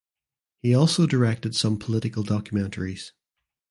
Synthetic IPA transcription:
hiɔlˠsodə˞ɛk̚tɪd̥sʌ̃mpʰəlˠɪʔɪkəlˠdɔkʰjəmɛ̃nʔʰəɹiz̥

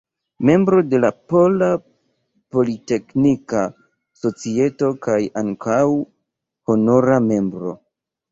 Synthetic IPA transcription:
me̞mbɾo̞de̞lapo̞la | po̞lite̞knika | so̞t͡sie̞to̞kajaŋkʰaw | ho̞no̞ɾame̞mbɾo̞̰

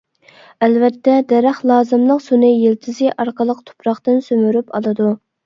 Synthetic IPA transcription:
ælvɛt̪ːɛd̪ɛɾæχlˠɑːzɨmlˠəqsunɨjelt̪ʰɪzɪʔɑɾqəlˠəqt̪ʰo̥pʰɾɑχt̪ɨnsømyɾypʰɑ̰lˠɨd̪u

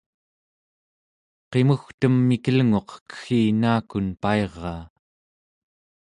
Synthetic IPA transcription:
qe̞muxt̪əmːikəlŋoqkə̥xiːnaːkunpae̞ʁːɑː

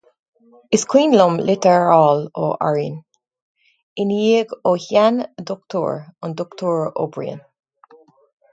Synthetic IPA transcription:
ɪskʰwĩːnlɔmlʔɪtəɹalo̰ʔa̰ɹin | ɪnjiɡohandɔk̚tʰɔ̰ɹɔ̃ndɔktʰɔɹo̰bɹḭə̰̃n

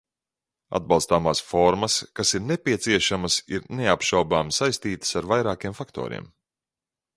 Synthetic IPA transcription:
a̰d̪̚bɑlˠst̪aːmaːsfɔɾmɐskasiɾnepʲiɛt̪siɛʃamɐsiɾneapʃawbaːmsajst̪iːt̪ə̥saɾvajɾaːkiɛmfakt̪ɔ̰ːɾḭɛm

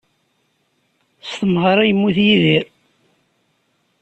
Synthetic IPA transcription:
st̪əmʁəɾˤæjəmːuθjiðiɾ

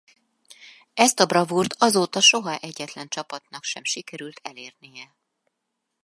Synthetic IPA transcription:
ɛst̪ɒbrɒvurt̪ɒzoːt̪ɒʃo̞ɦɒʔɛɟːɛt̪lɛnt͡ʃɒpɒt̪nɒkʃɛmʃikɛɾylt̪ʰɛleːrnijɛ

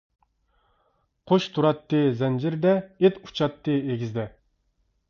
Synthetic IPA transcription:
qʰoʃt̪ʰuɾɑt̪ːɨzɛnd͡ʒɪɾd̪ɛet̪u̥t͡ʃʰɑt̪ːɨeɡʲizd̪ɛ

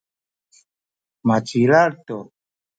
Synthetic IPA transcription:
mat͡ʃiɾaɾt̪o

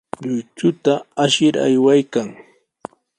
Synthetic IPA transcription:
ʎʊjt͡ʃʊt̪aaʃɪɾa̰jwajkaŋ

